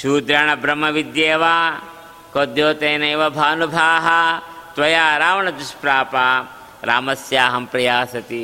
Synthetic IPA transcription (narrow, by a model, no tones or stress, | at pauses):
ʃuːd̪ɾɐɳɐbɾɐmɐʋid̪jeːʋaː | koːd̪joːt̪eːnɐjʋɐbʱaːnubʱaːɦɐt̪ʋɐjaːɾaːʋɐɳɐd̪uʃpɾaːpaː | ɾaːmɐsjaːɦɐmpɾɐjaːsɐt̪i